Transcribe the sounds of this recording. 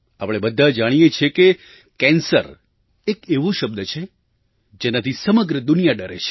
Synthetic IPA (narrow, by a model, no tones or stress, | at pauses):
apɽ̃ebəd̪ʱːad͡ʒaɽ̃ijet͡ʃʰeke | kɛ̃nsəɾ | ekeʋũʃəb̚d̪ət͡ʃʰe | d͡ʒenat̪ʰisəməɡɾəd̪ʊnijaɖəɾḛt͡ʃʰe̥